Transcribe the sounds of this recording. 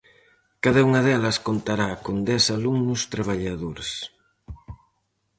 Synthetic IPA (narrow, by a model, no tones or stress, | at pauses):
kaðɐuŋɐðɛlɐskont̪aɾakond̪ɛsaluŋnust̪ɾaβaʎaðoɾs